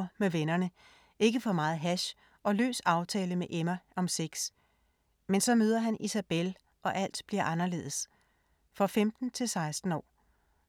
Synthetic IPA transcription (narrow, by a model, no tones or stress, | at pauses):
meʋenɐnə | ʔe̝ɡ̥əfɒ̽mɑ̈ːð̩ˠɦæɕ | ʔɒ̽lø̰ːsɑ̈ʊt͡sʰɛːləmeʔemæʔɒ̽mseɡ̥s | mensɒ̽møːð̞ˠɐɦænʔisæb̥el | ʔɒ̽ʔæl̰d̥b̥liɐ̰ʔɑ̈nɐle̝̰ːðˠs | fʁɑfemd̥n̩t͡sʰe̝lsɑ̈ɪsd̥n̩ɒ̰ː